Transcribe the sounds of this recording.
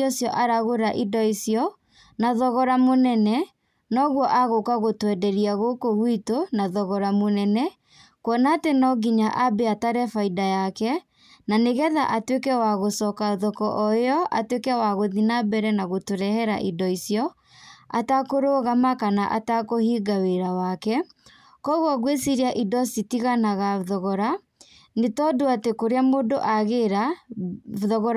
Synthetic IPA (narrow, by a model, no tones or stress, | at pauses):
ɔsjɔʔaɾaɣoɾaʔidɔisjɔ | naðɔɣɔɾamonɛnɛ | nɔɣwɔʔaɣokaɣotwɛdɛɾiaɣokoɣwitonaðɔɣɔɾamonɛnɛ | kwɔnaːtenɔɡiɲaʔabɛataɾɛfaidajakɛ | naneɣɛðaʔatwekɛwaɣosɔkaoðɔkɔʔɔeɔʔa̰twekɛwaɣoðinabɛɾɛnaɣotoɾɛhɛɾa̰ʔidɔisjɔ | a̰takoɾoːɣamakanaʔa̰takohiːɡaweɾawakɛ | kɔɣwɔɣwesiɾiaʔidɔsitiɣanaɣaðɔɣɔɾa | netɔdoatekoɾeamoːdoʔaɣeɾa | ðɔɣɔɾ